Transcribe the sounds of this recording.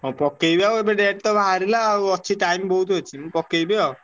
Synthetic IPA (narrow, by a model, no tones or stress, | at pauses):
ɔpɔkejbawebeɖeʈ̚t̪ɔbʱaɦaɾilaɔt͡ʃʰiʈajmbɔɦut̪ɦojt͡ʃʰim̃pɔkejbeaw